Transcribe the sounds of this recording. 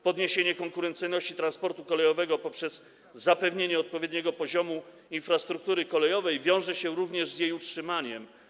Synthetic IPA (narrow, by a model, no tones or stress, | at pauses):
pɔd̪ɲeɕeɲɛkɔŋkuɾɛnt̪sɘjnɔɕt͡ɕit̪ɾanspɔɾt̪ukɔlɛjɔvɛɡɔpɔpʂɛzː | apɛvɲeɲɛɔt̪̚pɔvʲjed̪̚ɲɛɡɔpɔʑɔmu | infɾast̪ɾuk̚t̪uɾɘkɔlɛjɔvɛjvʲjɔ̃w̃ʐɛɕɛɾuvɲɛʐzjejutʂɘmaɲɛm